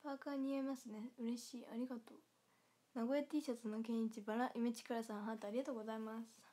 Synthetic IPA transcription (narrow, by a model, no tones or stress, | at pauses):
paːkaɲ̟iamasɨne̞ɯ̟ɾe̞ɕiːaɾʲiɡat̪oː | naɡo̞et̪ʲiːɕat͡sɨno̞kẽ̞ɰ̃it͡ɕibaɾaʔimet͡ɕi̥kaɾasãɰ̃ɦat̪ːeaɾʲiɡat̪oːɡo̞zaimasɨ̥